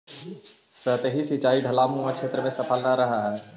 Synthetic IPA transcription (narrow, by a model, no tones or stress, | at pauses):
sət̪eɦisɪt͡ʃaːiɖʱəlaːmũãkt͡ʃʰeːt̪ɾəmẽsəpʰəlnaɾəɦaɦɛː